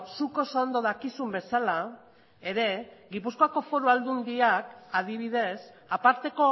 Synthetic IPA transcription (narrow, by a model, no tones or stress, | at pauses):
suko̞sond̪o̞ðakisumbe̞sala | e̞ɾe̞ɣipuskoakofo̞ɾuald̪und̪iakaðiβ̞ið̞e̞s | apaɾt̪e̞ko̞